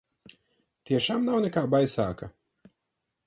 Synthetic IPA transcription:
t̪iɛʃaːmnawnɛkaːbajsaːka

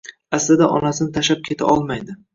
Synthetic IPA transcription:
aslɪd̪aʔɒ̰nasɪnɪt̪ʰaʃap̚kʲʰe̞t̪ʰa̰ʔɒlˠmajd̪ɪ

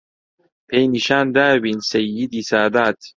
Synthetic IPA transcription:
pʰejniʃaːnd̪aːwinsɐjid̪iːsaːd̪aːt̪

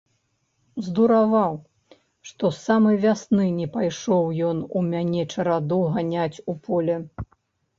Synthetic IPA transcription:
zd̪uɾavaw | ʂt̪ɔsamɨvʲasnɨnʲɛpajʂɔwjɔnumʲanʲɛt͡ʂɐɾad̪uɣanʲat͡sʲupʰɔlʲɛ

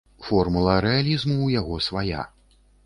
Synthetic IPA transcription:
fɔrmulˠɐɾɛalʲizmuwjaɣɔsvaja̰

